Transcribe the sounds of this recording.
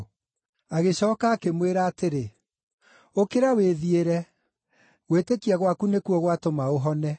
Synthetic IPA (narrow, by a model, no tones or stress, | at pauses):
aɣeɕɔːkaːkemweɾaːteɾe | okeɾaweðieɾɛ | ɣwetekiaɣwakunekuɔɣwatomaoɦɔnɛ